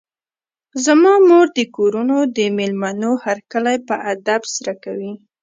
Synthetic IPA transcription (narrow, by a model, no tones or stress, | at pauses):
zamɑmoɾd̪əkoɾunod̪əmɪlmanohaɾkəlajpəʔad̪absaɾakawi